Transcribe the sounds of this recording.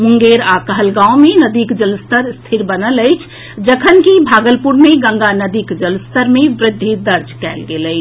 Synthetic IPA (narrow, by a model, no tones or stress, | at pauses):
muŋɡeɾakəɦəlɡãwmenəd̪ikd͡ʒəlst̪əɾst̪ʰiɾbənələjt͡ʃʰ | d͡ʒəkʰənkibʱaɡəlpuɾmeɡə̃ŋɡanəd̪ikd͡ʒəlst̪əɾmebɾɪd̪ʱːid̪əɾd͡ʒkɛɪlɡelət͡ʃʰ